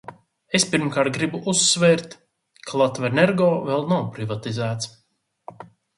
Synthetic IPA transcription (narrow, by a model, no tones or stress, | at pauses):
espiɾmkaɾt̪̚ɡɾibuʔusːvɛːɾt̪ | kʰalˠat̪vɛneɾɡɔːvɛlˠnawpɾivat̪izæːt̪s